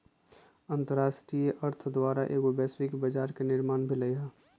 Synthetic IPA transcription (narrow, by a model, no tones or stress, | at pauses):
ə̃nt̪əɾaːsʈɾijəʔəɾt̪ʰd̪waːɾaʔḛːkɪbɛːswɪkbəd͡ʒaːɾkenɪɾmaːnbʱiləɦɛː